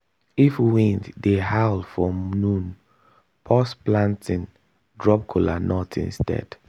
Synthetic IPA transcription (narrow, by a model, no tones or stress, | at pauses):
ifwĩntdehaʊlfɹɔ̃mnũn | pʰɔsplãntĩn | dɹɔp̚kʰɔla̰nɔtʰḭ̃nstɛ̰d̥